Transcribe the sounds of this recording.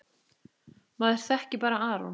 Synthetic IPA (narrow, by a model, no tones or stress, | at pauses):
maːðɪɾ̥θɛhcɪpaːɾaaːɾɔ̰n